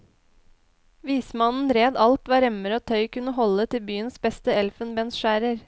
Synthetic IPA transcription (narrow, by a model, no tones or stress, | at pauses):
ʋiːsmɑnn̩ɾeːd̪ɑlt̪ʋɑːɾɛməɾəoːt̪ʰœʏkʉnəhɔlət̪ʰɪlbyːənsbɛst̪əɛlfənbɛnsʃæːɾəɾ